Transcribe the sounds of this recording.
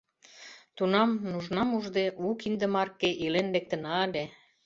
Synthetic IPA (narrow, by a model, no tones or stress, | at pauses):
t̪unɑmnuʒnɑmuʒd̪eʔukind̪ə̆mɑrkːeʔilenlek̚t̪ə̆nɑlʲe